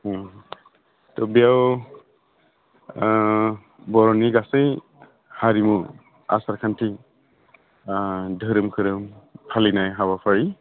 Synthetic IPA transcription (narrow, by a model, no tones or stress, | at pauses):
tɔbijaw | bɔɾɔniɡasej | haɾimu | a̰saɾkʰantʰi | dʱɯɾɯmkʰɯɾɯmpʰalinajɦaβapʰaɹi